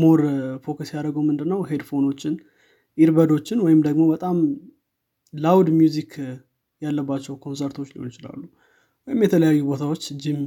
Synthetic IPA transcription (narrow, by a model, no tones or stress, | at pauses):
moɾfo̞kusjaɾəɡowmɨnd̪ɨnːəwhe̞d̪fo̞no̞t͡ʃːɪn | ʔiɾbəd̪o̞t͡ʃːɪnwɔjɪmd̪əɡmo̞bət̪ʼam | lawd̪mjuzikʰ | jalːəbːat͡ʃːɛwkʰo̞nsəɾt̪ʰot͡ʃːlḭonɪt͡ʃɪla̰lːu | wɔjɪmjɛt̪ʰələjajːubo̞t̪ʰawo̞t͡ʃːɨd͡ʒːim